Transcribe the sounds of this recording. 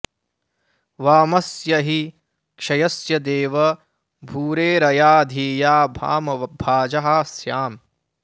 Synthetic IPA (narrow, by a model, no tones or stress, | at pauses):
ʋaːmɐsjɐɦi | kʂɐjɐsjɐd̪eːʋɐ | bʱuːɾeːɾɐjaːd̪ʱiːjaːbʱa̰ːmɐʋɐbʱaːd͡ʒɐɦɐsjaːm